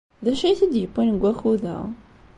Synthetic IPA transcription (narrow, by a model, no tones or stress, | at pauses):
ðæʃijθəd̪jəpːinɡʷæxuðæ̰